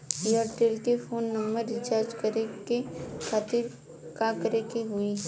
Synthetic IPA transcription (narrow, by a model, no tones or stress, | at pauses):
iəɾʈelkefoːnːɐ̃mbəɾɪ̃t͡ʃaːɾd͡ʒkɐɾekekʰaːt̪ɪɾ | kakɐɾekeɦʊi